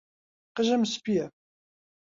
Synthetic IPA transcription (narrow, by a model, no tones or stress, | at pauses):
qəʒæmspijæ